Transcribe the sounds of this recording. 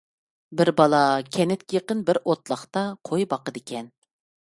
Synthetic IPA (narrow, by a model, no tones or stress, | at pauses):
bɪɾbɑlˠɑkʲʰɛnɪt̪kʲɪjeqənbɪɾot̪lˠɑχt̪ɑqʰojbɑqəd̪ɪkʲʰɛn